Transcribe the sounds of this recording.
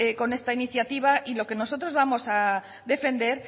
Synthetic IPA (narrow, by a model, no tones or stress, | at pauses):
eko̞ne̞st̪ainiθjat̪iβ̞aʔilo̞ke̞no̞so̞t̪ɾo̞zβamo̞sa | ðe̞fe̞nd̪e̞ɾ